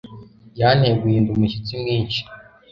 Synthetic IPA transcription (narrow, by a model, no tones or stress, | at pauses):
jan̥heɡwiːndumuʃit͡simŋiːnʃi̥